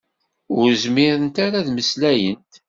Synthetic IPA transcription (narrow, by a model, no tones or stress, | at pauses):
ʊɾzmɪɾənt̪aɾaðməslæjənt̪